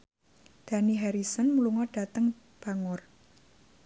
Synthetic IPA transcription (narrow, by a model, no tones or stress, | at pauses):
d̪̥a̤niɦaɾisɔnmuluŋɔɖ̥a̤t̪əŋ | b̥a̤ŋʊr